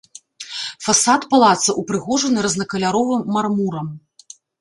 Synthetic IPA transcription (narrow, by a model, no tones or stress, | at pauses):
fasat̪palˠat̪sɐʔupɾɨɣɔʐɐnɨɾɐznɐkɐlʲaɾɔvɨmːarmuɾɐm